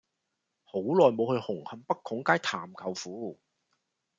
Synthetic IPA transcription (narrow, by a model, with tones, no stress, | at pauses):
ho˨˥wlɔː˨jmo˨˧whɵ˧ɥhʊ˨˩ŋhɐ˨˧mpɐ˥kʰʊ˨˥ŋkaː˥jt̪ʰa̰ː˨˩mkʰɐ˨˩wfuː˨˥